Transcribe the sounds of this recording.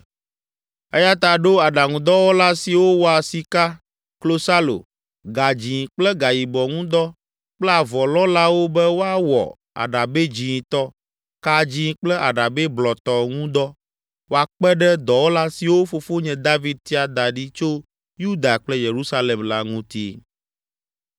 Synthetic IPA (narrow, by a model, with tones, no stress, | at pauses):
ɛ˦ja˦t̪a˨ɖo˦a˨ɖa˨ŋũ˨d̪ɔ˦wo˦la˦si˨wo˦wɔ˦a˨si˨ka˦ | klo˦sa˦lo̰˨ | ɡa˨d͡ʑĩ˨k͡plɛ˦ɡa˨ji˨bɔ˨ŋũ˦d̪ɔ˦ | k͡plɛ˦a˨vɔ˨lɔ˦la˦wo˦bɛ˦wo˦a˦wɔ̰˨ | a̰˨ɖa˨be˦d͡ʑĩ˨t̪ɔ˦ | ka˦d͡ʑĩ˦k͡plɛ˦ʔa˨ɖa˨be˦blɔ˨t̪ɔ˦ŋũ˦d̪ɔ˦ | wo˦a˨k͡pɛ˦ɖɛ˦d̪ɔ˨wo˦la˦si˨wo˦fo˨fo˦ɲɛ̃˨d̪a˦vi˦d̪̚t̪i˦a˨d̪a˨ɖi˦t͡ʃo˦ | ju˦d̪a˨k͡plɛ˦je˨ɾu˦sa˦le˨mla˦ŋũ˦t̪ḭ˦˨